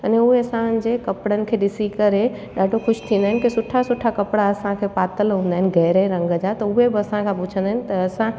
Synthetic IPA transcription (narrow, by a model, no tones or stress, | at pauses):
əneuɦeɐsãd͡ʒekəpɽənɪ̆kʰeɖɪsikəɾe | ɖaːʈokʰʊʃt̪ʰĩnd̪aɦɛnkisʊʈʰasʊʈʰːakəpɽaəsãkʰepat̪əlɦõnd̪aːɦɛnɡɛːɾeɾə̃ŋɡəd͡ʒat̪əuɦebɐsãkʰãput͡ʃʰə̃nd̪aːɦn̆t̪ɐːsã